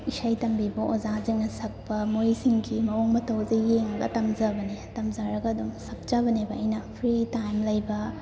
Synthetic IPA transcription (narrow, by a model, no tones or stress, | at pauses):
isɐjtɐmbibɐʔozaziŋnɐsɐk̚pɐmojsiŋɡimɐoŋmɐtɐwzɐjeŋɐɡɐ̰tɐmzɐbɐnetɐmzaɾɐɡɐːdumsɐk̚t͡ʃabɐnebɐɐjnɐpʰɾitajmlɐjbɐ